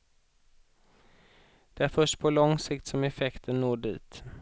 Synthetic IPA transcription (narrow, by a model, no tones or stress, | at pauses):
d̪̥ɛæɾfœʂʈpʰɔlɔŋsɪkt̪sɔmɛfɛkt̪ʰənːoːɖḭːt̪